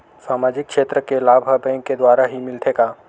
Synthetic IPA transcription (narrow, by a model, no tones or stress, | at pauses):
saːmaːd͡ʒɪkːʰʃeːt̪ɾəkelaːbʱɦəbɛ̃ːŋkːed̪waːɾaɦimɪlt̪ʰeːɡaː